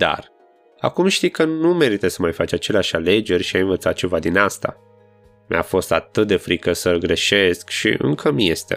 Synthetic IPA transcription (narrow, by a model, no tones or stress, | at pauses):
d̪a̰r | a̰kumʃt̪ijkənume̞ɾit̪əsəmajfat͡ʃat͡ʃe̞leaʃale̞d͡ʒe̞rʲʃiajɨnvət̪sat̪̚t͡ʃevad̪inast̪a̰ | mʲʔa̰fo̞st̪a̰t̪ɨt̪̚d̪e̞fɾikəsəlɡɾe̞ʃe̞skʃḭʔɨ̰ŋkʰəmje̞st̪ḛ